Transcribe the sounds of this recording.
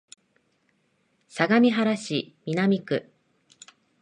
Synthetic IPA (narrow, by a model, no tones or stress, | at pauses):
saɡamʲiɦaɾaɕimʲinamʲikɯ̟